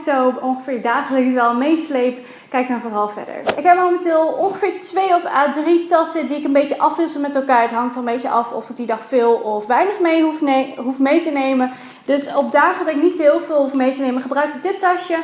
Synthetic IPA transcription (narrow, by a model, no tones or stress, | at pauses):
sowɔnχəfɪːɹdaːχədəkɛlˠmejslejp | kɛjk̚dɔnvəɦɑlˠvɛ̰də̰ɹɪkɦɛp̚mowməntɪːlˠɔnχəfɪːɹtʋejɔfaːdritɑsədiɪkənbejtəʔɑfʋɪsəmɛtɛlˠkaːɹətɦɑŋtɔmbejtəʔɑfɔ̰fɪɡ̚didɑχfɪːlˠɔfʋɛjnəχmejuɦufmejtənejmən | dɵsɔb̚daːχədɑɪknitsoɦɪːlˠvɪːlˠɦufmejtənejməχəbrœɥkɪk̚dɪtɑʃə